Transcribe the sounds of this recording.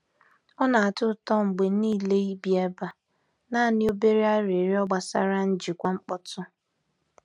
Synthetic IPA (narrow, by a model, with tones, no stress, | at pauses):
ɔ˦na˨a˨tʊ˦˨tɔ˦ŋ͡m̩˨ɡ͡be˨˦niː˦˨le˦i˦bi˨ɛ˦ba˨ | na˦˨nɪ˦o˦be˦ɾi˦a˦ɾe˨ɾi˦ɔ˦ɡ͡ba˨sa̰˦ɾa˦n̩˦d͡ʒi˨kʷa˦ŋ͡m̩˦k͡pɔ˦tʊ˦